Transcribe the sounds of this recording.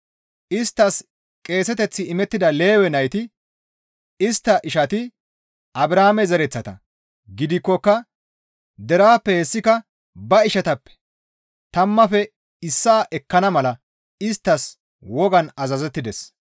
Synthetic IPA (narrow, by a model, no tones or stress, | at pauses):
ɪst̪ːɐs | kʼe̞ːsɛt̪ɛt͡sːɪːmɛt̪ːɪd̪ɐle̞ːwɛnɐjt̪ɪ | ɪst̪ːɐʔɪʃɐt̪ɪ | ʔɐbɪɾaːmɛzɐɾɛt͡sːɐt̪ɐ̰ | ɡɪd̪ɪkːɔkːɐ | d̪ɛɾaːpːɛhɛsːɪkɐ | bɐɪʃɐt̪ɐpːɛ̥ | t̪ɐmːɐfɛ | ɪsːaːʔɛkːɐnɐmɐlɐ | ɪst̪ːɐs | wɔɡɐnɐzɐzɛt̪ːɪd̪ɛs